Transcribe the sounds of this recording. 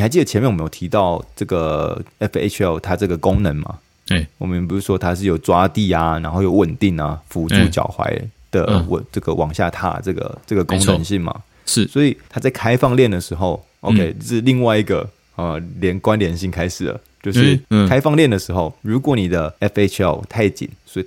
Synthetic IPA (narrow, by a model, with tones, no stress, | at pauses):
xa˧˥t͡ɕi˥˩ə˩t͡ɕʰɛ˧˥mɛ˥˨wjo˨˩t̪ʰi˧˥t̪ɑ˥˩ʊʈ͡ʂɤ˥˩ɡə˩ɛ˦˥fḛ˧t͡ʃʰɛ˥˩lt̪ʰa˥ʈ͡ʂɤ˥˩ɡə˩ko˦ŋnə˧˦nma̰˨˩ | wɔ̰˨˩mə˦nɛ˨p̬u˧˥˩u˥˩ʂwɔ˦˥t̪ʰa˥ʂɻ̩˥˩jo˨˩ʊt͡swa˦t̪i˥˩a˩na˧˥nxo˥˩ʊjo˧˦ʊwə˨˩nt̪i˥˩ŋa̰˩fu˧˥u˥˩t͡ɕjɑ̰˨˩ʊxwa̰˧˦ɪd̪̥ə̰˨wə̰˩ʈ͡ʂɤ˥˩ɡə˩wɑ˨˩ŋɕja̰˥˩t̪ʰa̰˦ʈ͡ʂɤ˥˩ɡə̰˩ʈ͡ʂɤ˥˩ɡə˩ko˥ŋnə˧˦nɕi˥˩ŋma̰˨˩ | ʂ̩˥˩swɔ˧˥i˨˩t̪ʰa˥t͡sa˥˩ɪkʰa˥ɪfɑ˥˧ŋljɛ˥˩nd̪ə˩ʂɻ̩˧˥xo˥˧ʊ | ʔo˧ʊkʰe˦ɪ˧ʂɻ̩˥˧li˥˧ŋwa˥ɪi˧˥ɡə̰˨˩ | ə˨˩ljɛ˧˥nkwa˦˥nljɛ˧˥˦nɕi˥˩ŋkʰa˥ɪʂɻ̩˨˩d̪ə̰˩t͡ɕjo˥˧ʊʂɻ̩˥˩kʰa˥ɪfɑ˥˧ŋljɛ˥˩nd̪ə˩ʂɻ̩˧˥xo˥˩ʊɻu˧˥kwɔ˧˥˦ni˨˩d̪ə˦ɛ˥fe˥t͡ʃʰɛ̰˥˩ʊt̪ʰa˥˩ɪt͡ɕḭ˨˩˦nswɔ˧˥i˨